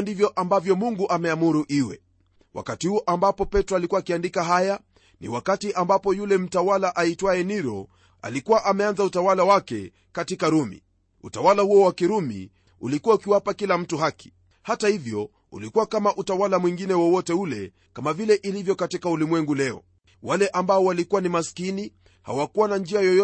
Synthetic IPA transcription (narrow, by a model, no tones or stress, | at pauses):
ndivjɔʔambavjɔmuŋɡuʔamɛamuɾuʔiwɛ̰ | wʔa̰katihuɔʔambapɔpɛtɾɔalikuwaːkiandikaɦaja | nḭwakatiʔambapɔjulɛm̩tawalaʔaitwaɛniɾɔ̰ | a̰likuwaʔamɛanzautawalawakɛ̰ | katikaɾumḭ | utawalahuɔwakiɾumḭ | ṵlikuwaukiwapakilam̩tuɦaki̥ | hatahivjɔ | ṵlikuwakamaʔutawalamwiŋɡinɛwɔwɔtɛulɛ̰ | kamavilɛʔilivjɔkatikaulimwɛŋɡulɛɔ̰ | walɛʔambaɔwalikuwanimaskini | ha̰wakuwanand͡ʒiajɔjɔ